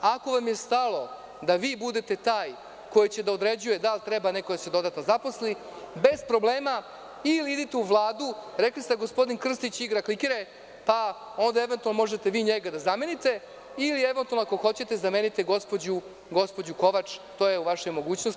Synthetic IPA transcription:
ako̞ʋamjest̪alo̞ | d̪aʋiːbud̪et̪e̞t̪aːj | ko̞jit͡ɕe̞d̪aod̪ɾe̞d͡ʑuje̞d̪alt̪ɾebanekoj̪sed̪o̞d̪at̪nozapo̞slibe̞zpɾo̞bleːma | iliid̪it̪euʋlˠaːd̪uɾeklist̪eɡo̞spo̞d̪inkr̩st̪it͡ɕiɡɾaklikiɾe | pao̞nd̪ae̞ʋent̪ualnomo̞ʒet̪e̞ʋiːɲeɡad̪azame̞nit̪e̞ | ilie̞ʋent̪ualnoakoxo̞t͡ɕe̞t̪e̞zamenit̪eɡo̞spod͡ʑu | ɡo̞spo̞d͡ʑuko̞ʋat͡ʂt̪o̞ːjeuʋaʃemo̞ɡuːt͡ɕnos

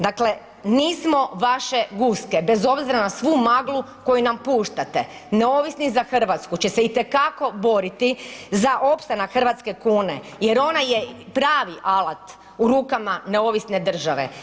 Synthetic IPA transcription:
d̪akle̞ | niːsmo̞ʋaʃe̞ɡuske̞be̞zo̞bziɾanasʋumaɡlˠu | ko̞junampuːʃt̪at̪ḛ | neoʋisnizaxr̩ʋat̪skut͡ɕeseit̪e̞kako̞bo̞ɾit̪izaʔo̞pst̪anaxr̩ʋat̪ske̞kuːne | je̞ɾo̞najepɾaːʋiʔalat̪ | uɾuːkamaneo̞ʋisne̞d̪r̩ʒaʋḛ

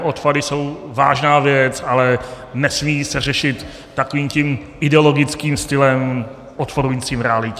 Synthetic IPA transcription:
ʔot̪padɪso̞wva̰ːʒnaːvjɛt͡salɛ | nɛsmiːsɛr̝ɛʃɪt̪ː | akoviːmcim | ɪdɛolo̞ɡɪt͡skiːmst̪ɪlɛm | ʔot̪poɾujiːt͡siːmɾɛalɪcɛ

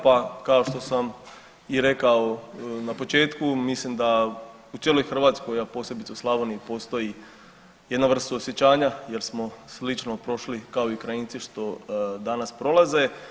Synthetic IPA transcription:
pakaoʃt̪o̞sam | iɾe̞kaonapo̞t͡ʃe̞ːt̪kumislimd̪a | ut̪jelo̞jxr̩ʋaːt̪sko̞japo̞ːsʲjebit̪seuslˠaʋoniipo̞ːst̪o̞ji | jed̪naʋr̩st̪uosjet͡ɕaːɲaje̞ɾsmo̞slit͡ʃno̞pɾo̞ʃlikao̞ikɾajiːnt̪siʃt̪o̞d̪anaspɾo̞laze̞

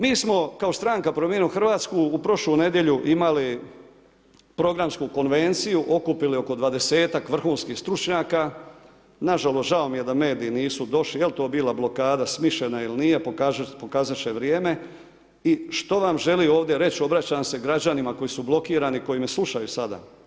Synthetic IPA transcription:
miːsmo̞kao̞st̪ɾaŋkapɾomjenuxrʋaːt̪skuːpɾo̞ʃluːne̞d̪je̞ʎuʔimali | pɾo̞ɡɾamskuko̞nʋe̞nt̪sijuʔo̞kupilio̞ko̞d̪ʋad̪e̞se̞ːt̪akʋr̩xuːnskiːxst̪ɾut͡ʃɲaːka | naʒalo̞st̪ʒao̞mije̞d̪ame̞ːd̪iːniːsud̪o̞ʃlijelt̪o̞ːbiːlˠablo̞kaːd̪asmiʃenailinije̞poapokaːzaʃe̞ʋɾje̞ːme̞ | iʃt̪o̞ʋamʒe̞lio̞ːʋd̪je̞ɾe̞t͡ɕo̞bɾat͡ɕaːmse̞ɡɾad͡ʑanimako̞jisublˠo̞kiːɾaniko̞jime̞slˠuʃajusad̪a̰

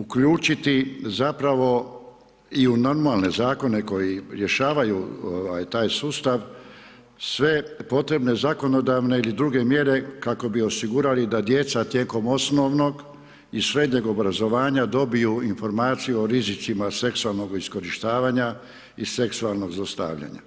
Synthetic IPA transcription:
ukʎuːt͡ʃit̪izapɾaʋo̞ | iuno̞ɾmalne̞zaːko̞ne̞ko̞jiɾje̞ʃaːʋajuoʋajt̪aːjsuːst̪aʋ | sʋe̞po̞t̪ɾe̞bne̞zako̞no̞d̪aʋne̞ilid̪ɾuɡe̞mje̞ɾe̞kako̞bio̞siɡuːɾalid̪ad̪je̞t̪sat̪jeːko̞mo̞sno̞ʋno̞ɡ | isɾe̞d̪ɲe̞ɡo̞bɾazo̞ʋaːɲad̪o̞bijuinfo̞ɾmaːt̪sijuoɾizit̪simase̞ksualˠno̞ɡisko̞ɾiʃt̪aːʋaɲa | ise̞ksualˠno̞ɡzost̪a̰ːʋʎa̰ɲa̰

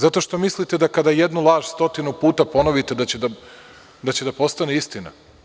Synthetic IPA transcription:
zat̪o̞ʃt̪o̞mislit̪ed̪akad̪ajed̪nulˠaːʒ̥st̪o̞t̪inupuːt̪apo̞no̞ʋit̪e̞d̪at͡ɕed̪a | d̪at͡ɕe̞d̪apo̞st̪aneist̪ina̰

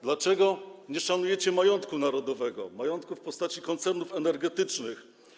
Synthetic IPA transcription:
d̪lat͡ʂɛɡɔɲɛʂanujɛt͡ɕɛmajɔnt̪kunaɾɔd̪ɔvɛɡɔ̰majɔnt̪̚kufpɔst̪at͡ɕikɔnt̪sɛɾnufɛnɛɾɡɛt̪ɘt͡ʂnɘx

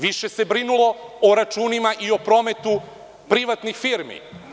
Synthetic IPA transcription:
ʋiʃe̞se̞bɾinulo̞oɾat͡ʃuːnimaʔio̞pɾo̞me̞t̪u | pɾiʋat̪nixfiɾmḭ

